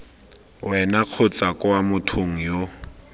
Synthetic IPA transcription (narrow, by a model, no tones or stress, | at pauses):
wɛnaq͡χʰʊt͡sakʼʊwamʊtʰoŋ̩jo